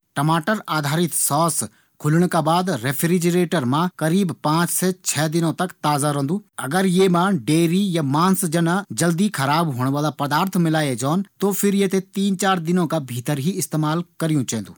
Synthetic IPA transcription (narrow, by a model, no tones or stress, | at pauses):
ʈɐmaːʈəɾaːd̪ʱaːɾɪt̪sɔːs | kʰʊləɽ̃kabaːd̪ɾepʰɾid͡ʒɾeːʈəɾmãkɐɾiːbpãːt͡ʃset͡ʃʰɛːd̪ɪnõt̪ɐkt̪aːzaɾɐ̃ːnd̪uɐɡəɾjemãɖeːɾijamãːnsd͡ʒɐnad͡ʒɐld̪ikʰɐɾaːbɦoːɽ̃ʋaːlapɐd̪aːɾt̪ʰmɪlaːed͡ʒɔːnt̪ofʰɪɾjet̪et̪iːnt͡ʃaːɾd̪ɪnõkabʱiːt̪əɾɦiɪst̪eːmaːlkɐɾijũt͡ʃɛ̃ɦnd̪uː